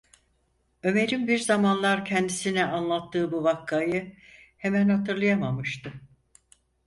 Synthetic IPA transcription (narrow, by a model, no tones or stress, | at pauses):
ø̞me̞ɾinbiɾzamanlˠaɾcʰɛnd̪isinɛanlˠat̪ʰːɯːbuvakʰːajɯ | hemænhat̪ɯɾlˠajamamɯʃt̪ɯ